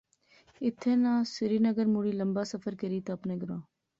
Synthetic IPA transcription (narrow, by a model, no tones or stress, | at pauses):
ɪt̪ʰːeːnãːsɪɾiːnəɡəɾmuːɽiːləmbaːsəfəɾkəɾiːt̪oːəpnẽːɡəɾõː